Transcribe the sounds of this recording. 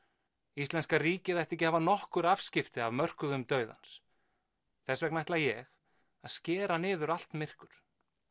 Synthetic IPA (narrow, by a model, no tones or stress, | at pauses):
ist̪ɛnskariːcɪθajht̪ɛhcɪhaːvanɔhkʏɾavscɪft̪ɪavmœr̥kʏðʏmt̪œːɥða̰ns | θɛsvɛknajht̪lajɛɣ | aðscɛːɾanɪːðʏɾal̥t̪mɪr̥kʏɾ̥